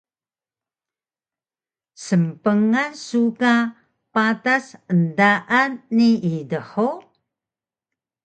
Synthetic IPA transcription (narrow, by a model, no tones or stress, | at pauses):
səmpəŋansuka | patasəndaʔanːiidəħu